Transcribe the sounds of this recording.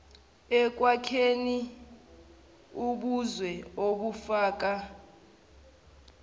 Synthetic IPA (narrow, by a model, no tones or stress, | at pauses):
ɛk̬ʼwakʰeni | uɓuzwɛoɓufaːk̬a